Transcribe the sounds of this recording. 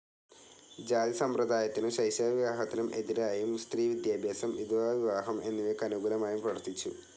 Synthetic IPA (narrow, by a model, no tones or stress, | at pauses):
d͡ʑaːd̪isɐmprɐd̪aːjɐt̪ːinɨɕɐjsjaːʋiʋaːɦɐt̪ːinɐmʔe̞diɾaːjumst̪riːʋid̪jaːbʱjaːsɐmid̪uʋaːʋiʋaːɦɐmʔe̞nːuʋekɐnuɡuːlɐmaːjumprɐʋɐrt̪ːit͡ɕːu